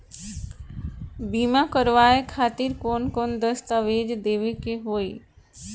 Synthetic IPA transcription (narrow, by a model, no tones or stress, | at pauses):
bimakəɾʋaekʰaːt̪iɾkoːnkond̪əst̪aʋed͡ʒd̪eːʋekeɦoːi